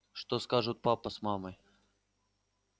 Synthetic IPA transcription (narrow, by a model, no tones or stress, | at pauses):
ʂt̪oskaʐɨt̪̚papəsmamɨj